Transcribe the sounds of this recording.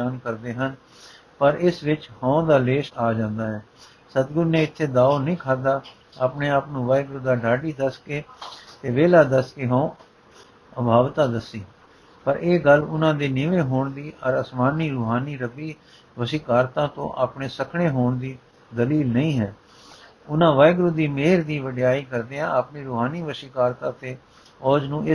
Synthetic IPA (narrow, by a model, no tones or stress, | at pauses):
aːnkəɾd̪eːɦən | pəɾɪsʋɪt͡ʃhãõːd̪aːleːʃaːd͡ʒãːnd̪aːɦɛː | sət̪ɡʊɾnẽːɪt̪ʰːeːd̪aːoːnəĩːkʰaːd̪aː | aːpneːaːpnũːʋaːɪɡʊɾd̪aːɖaːɖiːd̪əskeːt̪eːʋeːlaːd̪əskeːɦõõ | əbʱaːʋt̪aːd̪əsːiː | pəɾeːɡəlʊnãːd̪eːnɪʋẽːɦoːɳd̪iːʔəɾəsmaːniːɾuːɦaːniːɾəbiː | ʋəʃikaːɾt̪ãːt̪õ̰ːʔaːpɳeːsəkʰɳeːɦoːɳd̪iː | d̪əliːlnəĩːɦɛː | ʊnãːʋaːɪɡɾʊd̪iːmeːɾd̪iːʋəɖjaːiːkəɾd̪eːãːaːpniːɾuːɦaːniːʋəsɪkaːɾt̪ãːt̪eː | ɔːd͡ʒnũːɪ